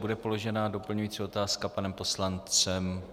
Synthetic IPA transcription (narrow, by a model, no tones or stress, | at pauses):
budɛpo̞lo̞ʒɛnaːdo̞pl̩ɲujiːt͡sio̞t̪aːskapanɛmpo̞slant͡sɛm